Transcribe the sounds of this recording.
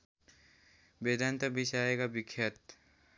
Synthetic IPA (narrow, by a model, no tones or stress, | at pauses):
beːd̪ant̪əbʱisaːeɡabɪkʰːjət̪